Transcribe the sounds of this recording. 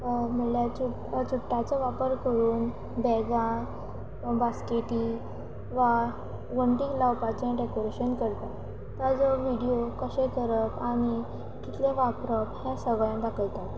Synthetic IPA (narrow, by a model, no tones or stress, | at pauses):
məljau | t͡ɕuʈːat͡səʋapəɾkəɾuːn | bɛɡã | baskeʈiː | ʋa | ʋəɳʈiklawpat͡ɕẽɖekoɾeɕənkəɾt̪a | t̪əd͡zoʋiɽijokəɕẽkəɾəpami | kit̪lẽʋapɾəpɦɛ̃səɡəɭãd̪akʰəlt̪at̪